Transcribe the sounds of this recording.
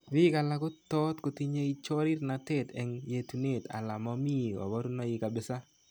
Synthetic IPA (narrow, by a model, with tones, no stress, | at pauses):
bɪ˦ka˨la˦ɡʊ˦t̪ɔ˦tko˨ti˦ɲe˦i˦t͡ʃɔ˦ɾi˦rna˨tɛ˦˨tɛ˦ŋje˨tu˨ne˦˨ta̰˨la˨mɔ˦mi˦˨ɔ̰˨bɔ˦ɾu˦nɔ˦jɪ˦ka˨bɪ˨˦sa˦